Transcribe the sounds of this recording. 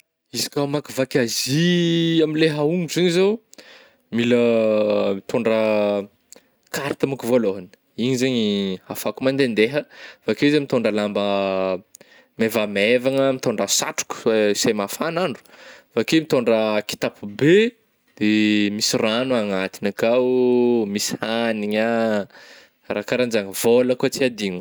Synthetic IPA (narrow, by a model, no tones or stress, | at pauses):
izḁkʲamakivakʲaziamileɦauŋuziɲizow | milə | mit̪oɳɖ͡ʐə | kaɾit̪əmakuvoloɦani̥ | iɲizeɲiafakumand̪end̪eɦəvakewizemit̪oɳɖ͡ʐəlambə | mevamevaŋəmit̪oɳɖ͡ʐasa̰ʈ͡ʂu̥ku̥semafanaɳɖ͡ʐu̥fakemit̪oɳɖ͡ʐəki̥t̪apube | d̪̥emisiranuaŋat̪inakawmishaniɲa | rakaɾand͡ʒaŋəvoləkut͡siad̪iɲ